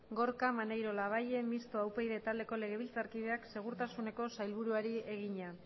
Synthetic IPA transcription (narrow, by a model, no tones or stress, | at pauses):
ɡo̞ɾkamanejɾo̞laβaje̞mist̪oawpejðe̞t̪ald̪e̞ko̞le̞ɣ̞e̞βilt͡saɾkiðe̞akse̞ɣ̞uɾt̪asune̞ko̞sajlβuɾuaɾie̞ɣiɲa